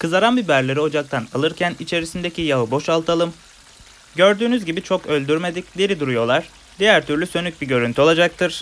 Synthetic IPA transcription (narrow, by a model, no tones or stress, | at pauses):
kʰɯzaɾanbibæɾlʲe̞ɾio̞d͡ʒak̚t̪ʰanalˠɯɾcʰænit͡ʃʰe̞ɾisind̪e̞cʰijavɯbo̞ʃalˠt̪ʰalˠɯm | ɟø̞ɾd̪yːnyzɟibit͡ʃʰo̞kø̞lʲd̪yɾme̞d̪icd̪eɾid̪uɾujo̞lˠaɾ̥ | d̪ijæɾt̪ʰyɾlʲysø̞nyc̚biɟø̞ɾynt̪yo̞lˠad͡ʒak̚t̪ʰɯɾ̥